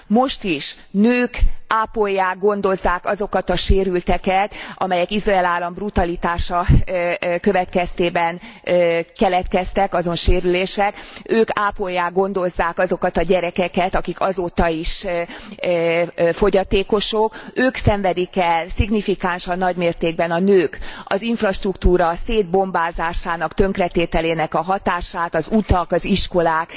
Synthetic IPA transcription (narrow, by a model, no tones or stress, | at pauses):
mo̞ʃt̪iʃ | nøːkaːpojːaːɡo̞nd̪o̞zːaːkɒzo̞kɒt̪ɒʃeːɾylt̪ɛkɛt̪ʔɒ̰mɛjɛkizrɒɛlaːlːɒmbrut̪ɒlit̪aːʃɒ | kø̞vɛt̪kɛst̪eːbɛn | kɛlɛt̪kɛst̪ɛkɒzo̞nʃeːɾyleːʃɛkøːkaːpo̞jːaːɡo̞n̪d̪o̞zːaːkɒzo̞kɒt̪ɒɟɛɾɛkɛkɛt̪ɒkikɒzoːt̪ɒiʃ | fo̞ɟɒt̪eːko̞ʃo̞køːksɛɱvɛd̪ikɛlsiɡnifikaːnʃɒnːɒɟmeːrt̪eːɡ̚bɛnɒnøːkɒ̰ziɱfrɒʃt̪rukt̪uːɾɒseːd̪̚bo̞mbaːzaːʃaːnɒkt̪øŋkrɛt̪eːt̪ɛleːnɛkɒɦɒt̪aːʃaːt̪ɒzut̪ɒkɒziʃko̞laːk